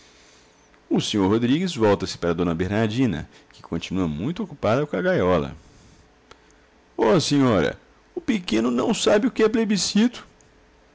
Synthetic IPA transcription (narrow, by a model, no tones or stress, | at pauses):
ʊsẽɲoɾɦod̪ɾiɡɪzvɔwt̪ɐsɪ̥paɾɐd̪õnɐbeɾnaɾd͡ʒĩnɐ̰ | kɪ̥kõt͡ʃinuɐmũj̃t̪ʊokupad̪ɐkõɐɡajɔlɐ̰ | ɔseɲɔɾɐ̰ | ʊpɪkẽnʊnɐ̰̃w̃sabɪʊkɪɛplebisit̪ʊ̥